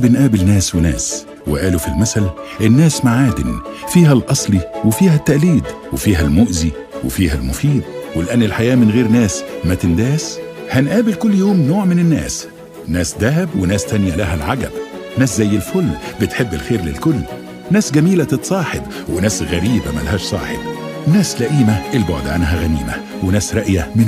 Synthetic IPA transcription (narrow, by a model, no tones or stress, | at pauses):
bɪnʔæːbɪlnæːswenæ̰ːs | wɪ̰ʔæːlufilmæsælʔenːæːsmaʕaːd̪ɪnfiːɦælʔɑsˤliwefiːɦæt̪ːæʔliːd̪wefiːɦælmoʔzi | wḛfiːhælmʊfiːd̪̚welʔænːelħajæːmɪnɣeːɾnæːsmæt̪ɪnd̪æːshænʔæːbɪlkʊlːjoːmnoːʕmɪnenːæ̰ːs | næːsd̪æɦæbwenæːst̪ænjælæɦælʕaɡæ̰bnæːszæjːelfolːbet̪ħebːelxeːɾlḛlkʊlː | næːsɡæmiːlæt̪et̪sˤɑːħeb | wenæːsɣæɾiːbæmælhæːʃsˤɑ̰ːħḛb̚ | næːslæʔiːmæʔelboʕd̪ʕanɦæɣæniːmæ̰ | wenæːsɾˤɑʔjæmɪn